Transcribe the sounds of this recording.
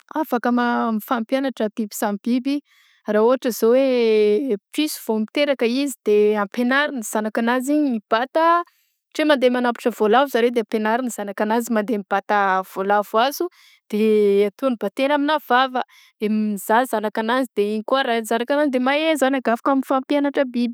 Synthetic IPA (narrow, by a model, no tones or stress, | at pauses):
afakəmamifampjanaʈ͡ʂət̪ipu̥sambibi | raoaʈ͡ʂəz̥owe | pisu̥v̥omit̪eɾakəizid̪̥eapenaɾiniz̥anakanaziɲimib̥at̪ə | ʈ͡ʂemand̪emanapi̥ʈ͡ʂəvolavuzaɾewd̪eampenaɾinz̥anakanazimand̪emib̥at̪av̥olavuazu | d̪̥eat̪unibat̪enaminav̥avə | d̪̥emiz̥azanakanazid̪̥eiɲikuaɾazanakanazid̪emajezanaɡafḁkaminfampjanaʈ͡ʂəbibi